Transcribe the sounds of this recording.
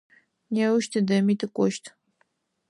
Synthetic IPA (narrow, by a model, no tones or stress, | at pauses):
nɛwuʃtʰɨdɐmitʰɨkʷʼɔʃtʰ